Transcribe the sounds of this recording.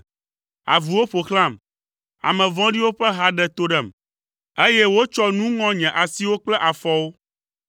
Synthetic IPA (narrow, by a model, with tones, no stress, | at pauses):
a̰˨vu˨wo˦ɸo˨xl̃ã˦˨m | a̰˨mɛ̃˨vɔ̃˦ɖi˦wo˦ɸɛ˦ɦa˦ɖɛ˨t̪o˦ɖɛ˨m | e˦jɛ˦wo˦t͡ʃɔ˦nũ˦ŋɔ̃˦ɲɛ̃˨ʔa˨si˦wo˦k͡plɛ˦ʔa˨fɔ˦wo˦